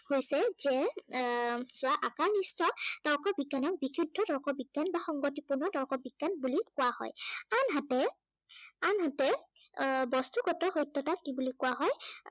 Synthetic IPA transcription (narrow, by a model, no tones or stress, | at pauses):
hojsɛzɛ | sʊaʔakaɹnistɔd̥ɔɹkɔbiɡːanɔk̚bikʰidʱːɔdɔɹkɔbiɡːanbaxɔŋɡotipuɹnɔdɔɹkɔbiɡ̥ːanbulikʊwahɔ̰janɦatɛ | anɦatɛ | bɔstuɡɔtɔxojtːɔtakibulikʊwaɦɔj